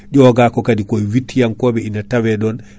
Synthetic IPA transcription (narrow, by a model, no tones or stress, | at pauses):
ɟɔɡaːkɔkadikɔjwitːijaŋkɔːbɛinatawɛɗɔn